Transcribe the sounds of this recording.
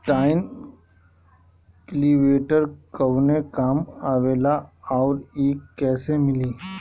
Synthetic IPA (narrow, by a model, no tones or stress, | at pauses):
ʈaːɪn | kliʋeːʈəɾkəwnekaːmaːʋeːlaɔːɾeːkːɛːsemɪliː